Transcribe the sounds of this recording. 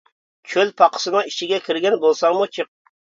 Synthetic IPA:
kʲʰølpʰɑqʰə̥sɨnɨŋi̥ʃʰɪɡʲɛkʲʰɪɾɡʲɛnbolˠsɑŋmut͡ʃʰɨq̚

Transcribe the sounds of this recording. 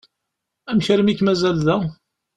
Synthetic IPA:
æmçɾəmikːmæzælðæ

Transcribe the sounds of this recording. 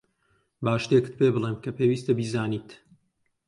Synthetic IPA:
baːʃt̪ekɨ̥t̪̚pebɨlˠeːmkʰɐpʰeːwiːst̪ɐbiːzaːniːt̪

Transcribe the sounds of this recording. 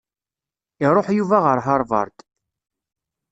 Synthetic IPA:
iɾˤoħjuvæʁəɾɦəɾˤvɑ̰ɾˤd̪

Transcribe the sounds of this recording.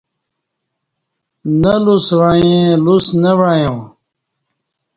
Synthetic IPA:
nɐluswaːjẽlusnɐʋaːjõː

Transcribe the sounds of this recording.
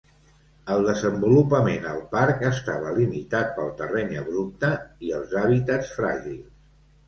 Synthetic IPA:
əlˠd̪əzəmbulupəmenəlˠpaɾkəst̪aβəlimit̪at̪̚pəlˠt̪ərɛɲəβɾup̚t̪əiəlˠzaβit̪ətsfɾa̰ʒilˠ

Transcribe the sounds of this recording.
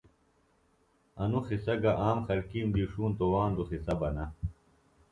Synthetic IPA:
ɐnuxisɐɡɐʔaːmxɐlkiːnd̪iʂuːnt̪owaːnd̪oxisɐbɐnɐ

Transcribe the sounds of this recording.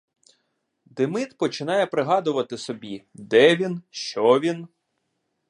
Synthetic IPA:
d̪ɪmɪt̪pɔt͡ʃɪnɑjɛpɾɪɦɑd̪ʊʋɐt̪ɪsɔbʲid̪ɛʋʲinʃt͡ʃɔʋʲin

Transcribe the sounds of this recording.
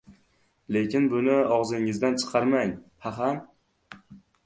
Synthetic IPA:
le̞kʲɪnbʊnɪɒʁzɪŋɪzd̪ant͡ʃʰɨ̥qʰɑɾmaɲhaɦam

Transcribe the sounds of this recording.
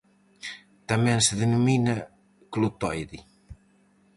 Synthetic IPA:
t̪amɛ̃nseðenuminɐ | klut̪ɔjði

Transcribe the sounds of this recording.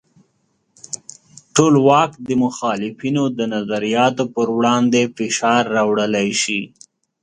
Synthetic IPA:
ʈolwɑkd̪əmʊxɑːlɪfinod̪ənazaɾijɑt̪opəɾwɽɑnd̪efɪʃɑɾːɑwɽəlajʃi

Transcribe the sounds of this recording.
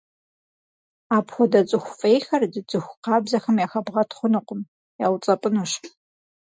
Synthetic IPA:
aːpxʷɔdɐt͡sʼɨxʷʊfʼejxɐrdɨt͡sʼɨxʷʊqɑːbzɐxɐmjaːxɐbʁɐtʰχʷʊnɨqʷʊm | jaːwt͡sʼɐpʼɨnuːɕ

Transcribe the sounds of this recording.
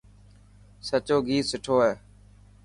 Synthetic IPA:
sət͡ʃoːɡiːsɪʈʰoːɦeː

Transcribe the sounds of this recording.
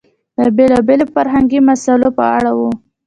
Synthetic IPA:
d̪̥əbelɑbelofaɾɦaŋɡimasalopəaɽawu

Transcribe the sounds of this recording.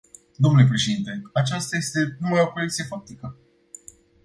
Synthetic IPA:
d̪o̞mnule̞p̬ɾe̞ʃed̪int̪e̞at͡ʃast̪aje̞st̪e̞umajo̞ko̞le̞k̚t̪sije̞fak̚t̪ikə

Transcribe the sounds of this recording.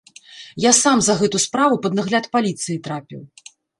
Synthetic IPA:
jasamzɐɣɛt̪uspɾavupɐd̪naɣlʲat̪palʲit̪sɨjit̪ɾapʲḭw

